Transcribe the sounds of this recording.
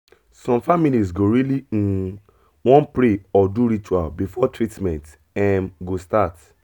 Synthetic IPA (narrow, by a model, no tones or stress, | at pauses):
sɔ̃mfamiliz̬ɡoɹiliũ | wɔ̃npɹeɔduɾit͡ʃua̰lbifɔtʰɹitmɛ̃nt | ɛ̃nɡostat